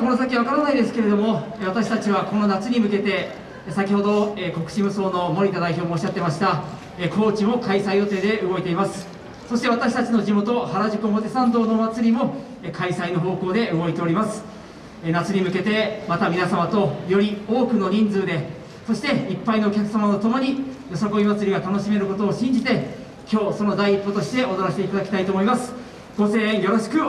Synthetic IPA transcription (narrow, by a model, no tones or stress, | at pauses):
ko̞nos̬akʲiβakaɾanaid̪e̞sɨ̥ke̞ɾe̞d̪o̞mo̞ | βat̪aɕi̥t̪at͡ɕiβako̞no̞nat͡sɨɲ̟imɯ̟ke̞t̪e̞ | sakʲiho̞d̪o̞eko̞kɯ̟̥ɕimɯ̟so̞ːno̞mo̞ɾʲit̪ad̪aiço̞ːmoːɕːat̪ːe̞maɕi̥t̪a | eko̞ːt͡ɕimo̞kaisaijo̞t̪e̞ːd̪e̞ɯ̟ɡo̞it̪e̞imasɨ̥ | so̞ɕi̥t̪e̞β̞at̪aɕ̬i̥t̪at͡ɕino̞ʑimo̞t̪o̞haɾaʑikoɦot̪e̞sãnd̪o̞ːno̞ːmat͡sɨɾʲimo̞ | ekʰaisaino̞ɦo̞ːko̞ːd̪e̞ɯɡo̞it̪e̞o̞ɾʲimasɨ̥ | nat͡sɨɲ̟imɯ̟ke̞t̪e̞mat̪amʲinasamat̪o̞jo̞ɾʲio̞ːkɯ̟no̞ɲ̟ĩnd͡zɨːd̪e̞ | so̞ɕi̥t̪e̞ipːaino̞ːkʲakɯ̟̥samanot̪o̞mo̞ɲ̟ijo̞sakomʲimat͡sɨɾiɡat̪ano̞ɕime̞ɾɯ̟ko̞t̪o̞ːɕĩɲ̟d͡ʑit̪e̞ | kʲo̞ːso̞no̞d̪aiːpːot̪o̞ɕi̥t̪e̞ʔo̞d̪oɾaɕi̥t̪eit̪ad̪akʲi̥t̪ait̪oːmo̞imasɨ̥ | ɡ̥o̞sẽ̞ːɰjo̞ɾo̞ɕi̥kɯ̟